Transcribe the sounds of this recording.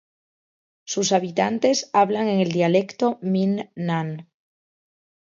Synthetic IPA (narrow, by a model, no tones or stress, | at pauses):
susaβ̞it̪ant̪e̞saβlaŋe̞ŋe̞ld̪iale̞kt̪ominːan